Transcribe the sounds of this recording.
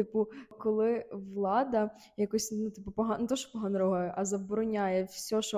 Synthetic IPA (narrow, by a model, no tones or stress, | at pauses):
t̪ɪpʊkɔlˠɪʋlˠɑd̪ɐ | jɐkɔsʲnut̪ɪpʊpɔɦɑnet̪ɔʃɔ̥pɔɦɐnɾɔɦɐjɛʔɐzɐbɔɾɔnʲajɛwsʲɔʃɔ